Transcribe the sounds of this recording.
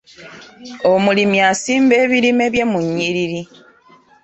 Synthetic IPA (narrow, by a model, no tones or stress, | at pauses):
omulimjasiːmbe̞ːβiɾime̞βje̞muɲːiɾiɾi